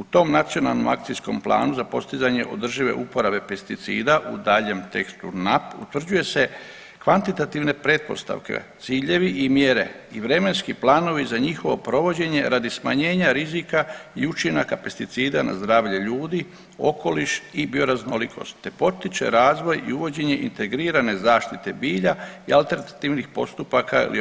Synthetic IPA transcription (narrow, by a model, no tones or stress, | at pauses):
ut̪o̞mnat̪sio̞na̰lˠno̞̰ma̰k̚t̪sijsko̞̰mplˠa̰ːnuzapo̞st̪izaɲe̞ʔo̞̰d̪r̩ʒiʋe̞̰ʔupo̞ɾabe̞pe̞st̪it̪sḭːd̪aʔṵd̪aʎe̞mt̪e̞kst̪unapṵt̪ʋr̩d͡ʑuje̞se̞ | kʋant̪it̪at̪iʋne̞pɾe̞t̪̚po̞̰st̪a̰ʋkḛt̪siːʎe̞ʋiʔimjeɾe̞̰ | iʋɾe̞me̞nskiplˠaːno̞ʋizaɲixo̞ʋo̞pɾo̞ʋo̞d͡ʑe̞ɲe̞ɾad̪ismaɲe̞ːɲaɾizikaiut͡ʃinakape̞st̪it̪siːd̪ana̰zd̪ɾaːʋʎe̞ʎuːd̪i | o̞ko̞liʃibio̞ɾazno̞likʰo̞̰st̪t̪ːe̞po̞t̪ːit͡ʃe̞̰ɾaːzʋo̞jḭuʋo̞d͡ʑe̞ɲe̞ʔint̪eɡɾiːɾane̞zaːʃt̪it̪e̞biːʎaialt̪e̞ɾnat̪iʋnixpo̞̰st̪upakaḭlḭ